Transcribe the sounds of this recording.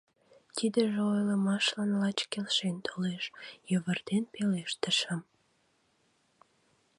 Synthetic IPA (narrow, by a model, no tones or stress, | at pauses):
t̪id̪əʒeojləmɑʃlɑnlɑt͡ɕkelʃent̪ʰoleʃjəβərd̪enpeleʃt̪əʃəm